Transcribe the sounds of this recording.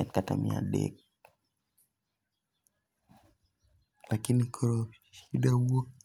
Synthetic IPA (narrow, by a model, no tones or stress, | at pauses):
ɛtkata̰mḭa̰dḛk̚ | lakinikʰɔɾo | ʃidawok̚